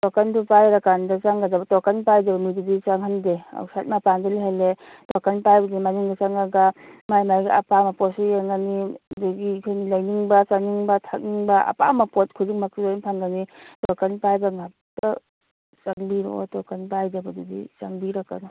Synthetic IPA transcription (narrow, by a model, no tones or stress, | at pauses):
tɔkantupajɾakandasaŋɡad͡ʒabɐtɔkanpajdabɐmidudisaŋɦandea̰wsat̚mapandaliɦale | tɔkanpajbadimanuŋdasaŋaɡamajmajɡiapamapɔsejaŋaniduɡikʰajnilajniŋbasaŋniŋbatʰak̚niŋbaʔa̰pa̰mapɔt̚kʰuziŋmak̚tizainpʰaŋɡanitɔkanpajbaŋap̚tɐ | saŋbiɾɔ̰tɔkanpajdabadudḭsaŋbiɾakːan